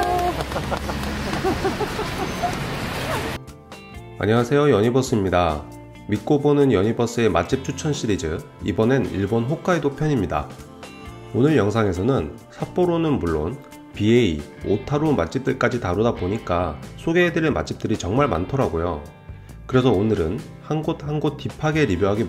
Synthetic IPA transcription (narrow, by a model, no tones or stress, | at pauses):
ma̰ɲiasʰe̞jojʌɲibʌs͈ɯmɲida | mik͈obonɯnjʌɲibʌs͈ɯe̞mat͡ɕ͈ip̚t͡ɕʰut͡ɕʰʌnɕ͈ʰiɾid͡ʑɯ | ibʌneniɭbonɸok͈ʰaedopʰjʌɲimɲida̰ | onɯɭjʌŋs̬ʰaŋe̞s̬ʰʌnɯn | sʰap͈oɾonɯnmuɭːo̰n | piei | otʰaɾomat͡ɕ͈ip̚t͈ɯɭk͈ad͡ʑitaɾodaboɲik͈asʰoɡe̞ːdɯɾɯma̰t͡ɕ͈ip̚t͈ɯɾit͡ɕʌŋmaɭma̰ntʰʌɾaɡojo | kɯɾe̞sʰʌonɯɾɯn | hanɡot̚hanɡot͈ipʰaɡe̞ɾibjoɦaɡi